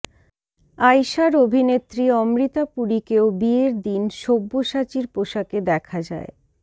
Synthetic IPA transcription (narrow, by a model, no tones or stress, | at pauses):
ajʃaɾobʱinet̪ːɾiɔmɾit̪apuɽikeobieɾd̪inʃobːoʃat͡ɕiɾpoʃaked̪ɛkʰad͡ʑa̰e